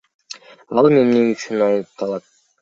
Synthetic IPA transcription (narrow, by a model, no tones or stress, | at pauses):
ɑlˠmemneŋyt͡ʃynɑjnɯp̚t̪ʰɑlˠɑt̪̚